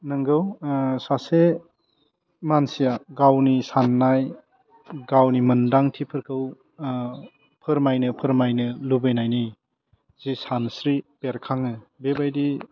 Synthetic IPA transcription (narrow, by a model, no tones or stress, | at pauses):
nɯŋɡɯwsase | mansijaɡawnisanːaj | ɡawnimɯndaŋtʰipʰɯɾkʰɯw | pʰɯɾmajnɯpʰɯɾmajnɯlubɯjnajni | z̥isansɾipeɾkʰaŋɯbebajdi